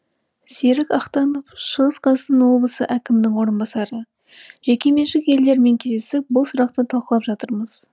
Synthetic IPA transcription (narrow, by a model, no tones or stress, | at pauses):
se̞ɾɪkɑqt̪ɑnofʃəʁəsqʰɑsənwo̞blˠəsə̰ʔækʲɪmd̪ɪŋwo̞ɾənbɑsɑɾə | ʒ̥e̞kʲe̞me̞nʃɪke̞ld̪e̞ɾme̞ŋkʲʰe̞zd̪esɪp̚bʊlˠsʊɾɑqt̪ət̪ʰɑlˠqəlˠɑpʒɑt̪əɾməz̥